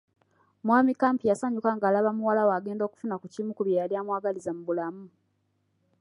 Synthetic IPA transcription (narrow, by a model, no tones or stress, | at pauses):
mwaːmikaːmpijasaɲukaŋɡaːlaβamuwalawaːɡe̞ːndo̞ːku̥funakucimukuβjaːljamwaːɡalizamuβulamu